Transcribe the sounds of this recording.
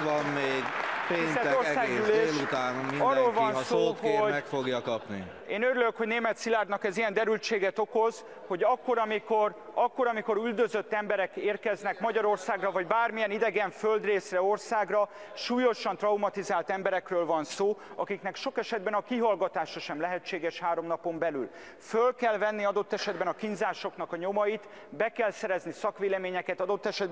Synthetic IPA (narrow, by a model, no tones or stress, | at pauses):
ɒmmeːɡeːnɛorsaːɡyleeːut̪aːniiɒrːoːlvɒnssoːɦomɛkfoɡjɒkɒpnḭ | eːnøɾyløkho̞ɟneːmɛt̪silaːrd̪nɒkɛzijɛnd̪ɛɾylt͡ʃeːɡɛt̪o̞ko̞z | ho̞ɟɒkːo̞ɾɒmiko̞rɒkːo̞ɾɒmiko̞ɾyld̪øzøt̪ːɛmbɛɾɛkeːrkɛznɛkmɒɟɒɾo̞rsaːɡrɒvɒɟbaːrmijɛnid̪ɛɡɛɱføld̪reːsrɛo̞rsaːɡrɒ | ʃuːjo̞ʃɒnt̪rɒumɒt̪izaːlt̪ɛmbɛɾɛkrøːlvɒnsoːɒkikn̪ɛkʃo̞kɛʃɛd̪̚bɛnɒkiɦɒlɡɒt̪aːʃɒʃɛmlɛɦɛt͡ʃːeːɡɛʃhaːɾo̞mnɒpo̞mbɛly̰l | følkɛlvɛnːiɒd̪o̞t̪ːɛʃɛd̪bɛnɒkinzaːʃo̞knɒkɒɲo̞mɒjit̪ | bɛkɛlsɛɾɛznisɒkʋeːlɛmeːɲɛkɛt̪ɒd̪o̞t̪ːɛʃɛd̪̚